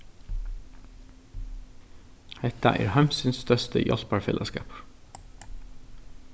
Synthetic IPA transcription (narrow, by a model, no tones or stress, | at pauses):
hɛt̪ɑ̰ʔḛːɾhæmsynsst̪œst̪ʰə̰jɔ̰lpɑɹfɛlɑskɑ̰ːp